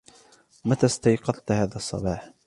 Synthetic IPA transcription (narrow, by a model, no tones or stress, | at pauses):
mat̪aːst̪ɑjqɑðˤt̪haːðasˤːɑ̰bɑːħ